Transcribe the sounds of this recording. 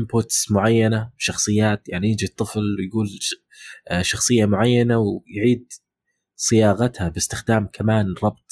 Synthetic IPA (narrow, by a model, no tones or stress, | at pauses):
ʔɪmbʊt̪smʊʕajːanabʃɑxsˤɨjːaːt̪jaʕnijɪd͡ʒit̪ˤːɨflwɪjɡuːl | ʃɑxsˤɨjːamʊʕajːanawjʕiːd̪ | sɪjɑːɣat̪habɪst̪ɪxd̪aːmkʰamaːnɾˤɑb̚t̪̚ˤ